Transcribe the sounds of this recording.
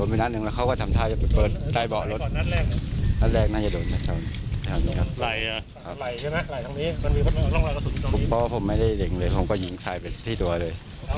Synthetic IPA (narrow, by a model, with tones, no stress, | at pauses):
o˨˦npe˧na˦˥t̪̚nɯ˨˩ŋlɛ˦˥wkʰa˥˩wkɔ˥˩t̪ʰa˧mt̪ʰaː˥˩t͡ɕa˨˩pa˨˩pɤː˨˩t̪̚ta˨˧˩jbɔ˨˩lo˦˥t̪ːna˦˥t̪̚lɛː˥˩k̚na˦˥t̪̚lɛː˥˩k̚na˥˩t͡ɕa˨˩doː˨˩nma˥˩t̪a˧˩nʰ˥˩tʰaː˨˧˩niː˦˥˩kʰa˦˥p̚la˨˩ja˧˩ | kʰa˦˥la˨˩jt͡ɕʰa˥˩jma˦˥la˨˩jt̪ʰa˦ŋniː˦˥ma˧nmiː˧ba˧˨˩ɔ˥˩ŋla˧ka˧˩sʰu˨˩˦kʰu˨˩pːɔː˧˥˩pʰo˨˩˦mːa˥˩jda˥˩jle˨˦ŋlɤː˧jpʰo˨˩˦mkɔː˥˩ji˦˥ŋsʰaː˧jpe˨˩nt̪ʰiː˥˩t̪u˧ɐlɤː˧j